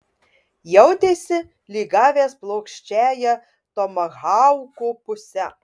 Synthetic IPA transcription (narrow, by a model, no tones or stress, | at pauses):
jɛʊt̪ʲeːsʲɪ | lʲiːɡɑːʋʲeːsplˠoʊkʃʲt͡ʃʲæːjɛ | t̪omɐɣɑʊkopʊsʲɛ